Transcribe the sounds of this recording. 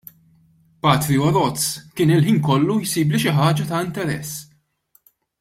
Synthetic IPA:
pɐːt̪ɾiɔɾɔtt͡skɪːnɪlħiːnkɔlːujsiːbliʃɪħɐːd͡ʒɐt̪ɐɪnt̪ɛɾɛ̰sː

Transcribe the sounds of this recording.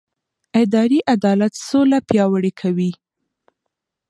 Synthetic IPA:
ɪd̪ɑɾiʔad̪ɑlat̪solapjɑwəɽekʰawi

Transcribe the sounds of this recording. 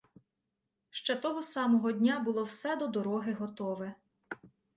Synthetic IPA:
ʃt͡ʃɛt̪ɔɦɔsɑmɔɦɔdʲnʲabʊlˠɔwsɛd̪ɔd̪ɔɾɔɦɪɦɔt̪ɔʋɛ

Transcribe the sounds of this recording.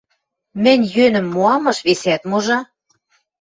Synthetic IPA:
mɘ̆nʲjønɘ̆mːoɑmɤ̆ʃβesæt̪moʒɑ

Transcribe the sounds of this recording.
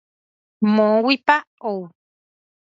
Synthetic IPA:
mõwipaou

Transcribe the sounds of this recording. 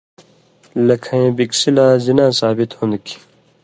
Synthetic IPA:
lɐkʰɐẽːbiksilãːzinãːsaːbit̪hũnd̪ki̥

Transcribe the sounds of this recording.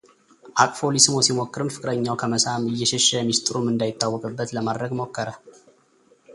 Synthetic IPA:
ʔakʼfo̞lisɨmosimokːɨɾɨmfɨkʼɨɾəɲːawkʰəməsamɨjːɛʃɛʃːəmist̪ʼɾumɨnd̪ajɪt̪ːawːɔkʼɨbːət̪ləmad̪ɾəɡmo̞kːəɾə

